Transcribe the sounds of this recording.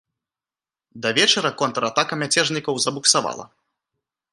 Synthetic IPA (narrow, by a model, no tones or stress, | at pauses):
d̪ɐvʲɛt͡ʂɐɾɐkɔnt̪ɾat̪akɐmʲat͡sʲɛʐnʲikɐwzɐbuksava̰lˠɐ̰